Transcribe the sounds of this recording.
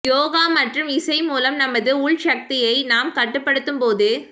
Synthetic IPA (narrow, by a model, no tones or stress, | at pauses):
joːɣaːmɐʈrɯmɪsɐɪmuːlɐmnɐmːɐðɯʊɭʃɐk̚t̪ɪjɐɪnaːmkɐʈːɯpːɐɽɯt̪ːɯmpoːðɯ